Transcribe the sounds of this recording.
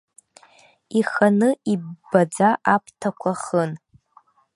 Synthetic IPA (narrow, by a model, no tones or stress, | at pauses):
iχanɨibbad͡zaʔapʰʼtʰakʷʰaχən